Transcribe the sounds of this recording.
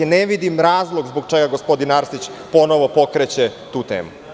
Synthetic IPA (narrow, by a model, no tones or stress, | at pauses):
neʋid̪imɾaːzlˠoɡzboɡ̚t͡ʂeɡaɡospo̞d̪inaɾsit͡ɕpo̞noʋo̞po̞kɾet͡ɕet̪uːt̪ḛːmṵ